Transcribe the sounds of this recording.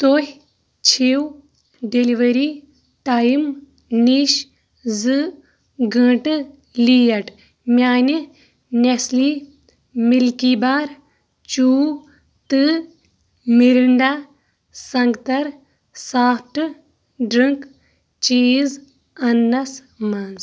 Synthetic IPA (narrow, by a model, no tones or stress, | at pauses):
t̪oɦʲ | t͡ʃʰiw | ɖeliʋɐɾiː | ʈajim | niːʃ | zɨ | ɡɐ̃ːʈɨ | liːjɐʈ | mʲjaːni | nesliː | milkibaːɾ | t͡ʃuː | t̪ɨ | miɾiɳɖaː | sɐŋɡt̪ɐɾ | saːʈɨ | ɖɾɨŋk | t͡ʃiːz | ɐnːɐs | mans